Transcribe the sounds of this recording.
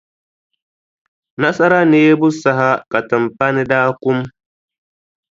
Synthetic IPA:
na˦sa˦ɾa˦ni˨je˦bʊ˦sa˨ɦa˦ka˨ta˨mpa˦ni˦daː˦kʊ˦m

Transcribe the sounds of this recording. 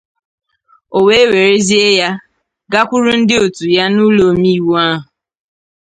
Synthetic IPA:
o˨we˦e˦we˨ɾe˦zi˦e˦ja˦ | ɡa˦kʷʊ˦ɾʊ˦n̩˦dɪ˦o˨tu˨ja˦nu˦lo˨mi˦wo˦a˦ɦʊ˨

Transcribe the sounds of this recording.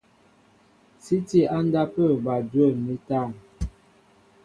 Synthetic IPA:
si˦ti˦a˦nda˦pə˦˨ba˨dwə˦˨ni˦ta˦˨n

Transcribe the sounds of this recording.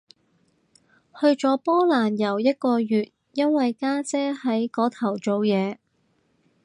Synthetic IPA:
hɵ˧ɥt͡ʃɔː˨˥pɔː˥laː˨˩njɐ˨˩wjɐ˥t̚kɔː˧jyː˨t̚ | jɐ˥nwɐ˨jkaː˥t͡sɛː˥hɐ˨˥jkɔː˨˥t̪ʰɐ˨˩wt͡so˨wjɛː˨˧

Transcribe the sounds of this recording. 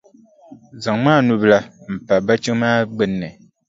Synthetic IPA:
za˨ŋmaː˦˨nu˦bla˦m̩˨pa˨ba˦t͡ʃi˦ŋ˦maː˦ɡ͡bɛ˨nːɛ˨

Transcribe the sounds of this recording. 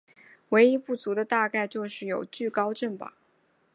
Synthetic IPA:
we˧˥ɪi˥pu˥˩t͡su˧˥d̪ə˧t̪a˥˧ka˥˧ɪt͡ɕjo˥˧ʊʂɻ̩˥˩jo˨˩ʊt͡ɕy˥˩kɑ˥ʊʈ͡ʂə˥˩nbɐ̰˩

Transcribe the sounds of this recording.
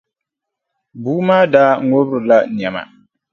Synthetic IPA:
buː˦maː˦daː˦ŋo˦bɾɨ˨la˦n˨ɛ˨ma̰˨

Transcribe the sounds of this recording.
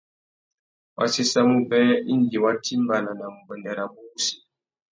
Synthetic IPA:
wa̰˦si˦sa˦mu˦bɛ˦i˦ŋ˨ɡi˨wa˦tʰi˦m˦ba˨na˨na˨mu˨bə˨ndɛ˨ɾa˨bu˦si̥˨

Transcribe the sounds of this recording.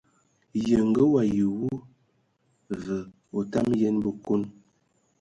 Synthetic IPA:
jə˨ŋ̩˨ɡə˦wa˨ji˨wu˦ | və˨ | o˨ta˦mjɛ˦nbə˨ko˦n

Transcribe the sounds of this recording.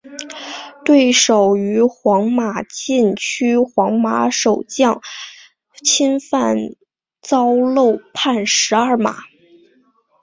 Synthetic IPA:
t̪we˥˩ɪʂo˨˩ʊy˧˥xwɑ˧˥ŋma˨˩t͡ɕi˥˩nt͡ɕʰy˥xwɑ˧˥ŋma˧˥ʂo˨˩ʊt͡ɕjɑ˥˩˧ŋ | t͡ɕʰi˥nfa˥˩n | t͡sɑ˥ʊlo˥˧ʊpʰa˥˩nʂɻ̩˧˥a˞˥˩ma̰˨˩˦

